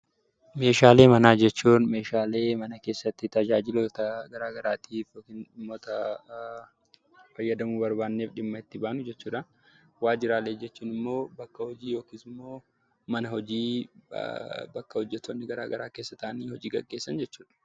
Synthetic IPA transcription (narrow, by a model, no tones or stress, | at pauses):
me̞ːʃaːle̞ːmɐnaːd͡ʒɛt͡ʃːuːnme̞ːʃaːle̞ːmɐnɐke̞ːsːɐt̪ːɪt̪ɐd͡ʒaːd͡ʒɪlot̪ɐɡɐɾaːɡɐɾaːt̪ʰiːfokinʊmːɔt̪ɐ | fɐjːɐd̪ɐmuːbɐɾbaːnːeːfᶑɪmːɐɪt̪ːɪbaːnʊd͡ʒɛt͡ʃːuːᶑɐ | waːd͡ʒɪɾaːleːd͡ʒɛt͡ʃːuːnɪmːo̞ːbɐkːɐhɔd͡ʒiːjo̞ːkiːsɪmːo̞ː | mɐnɐhɔd͡ʒiː | bɐkːɐhɔd͡ʒːɛt̪ːonːɪɡɐɾa̰ːɡɐɾaːkeːsːɐt̪ɐʔniːhɔd͡ʒiːɡɐɡːe̞ːsːɐnd͡ʒɛt͡ʃːuːᶑɐ̥